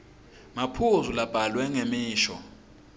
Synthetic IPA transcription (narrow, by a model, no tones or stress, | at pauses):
mapʰuzulab̥ʱalwɛŋemiːʃɔ̰